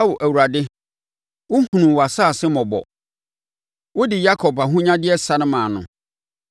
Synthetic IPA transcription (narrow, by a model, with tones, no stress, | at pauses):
a˦wɔ˨ʔæ˨wu˨ɾa˨dɪ˦ | wʊ˦hũ˨nũ˨wa˨saː˦˨sɪ˦mɔ̃˨bɔ̰˨ | wʊ˦dɪ˨ja˦kʰɔ˨ba˨ɦʊ̃˦ɲã˦dɪ˦ɛ˦sa˨˦nɪ̃˦mãː˨nʊ̰̃˨